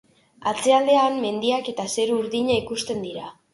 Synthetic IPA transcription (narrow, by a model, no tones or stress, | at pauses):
at͡se̞ald̪e̞amme̞nd̪iake̞t̪ase̞ɾuɾðiɲaikust̪e̞nd̪iɾa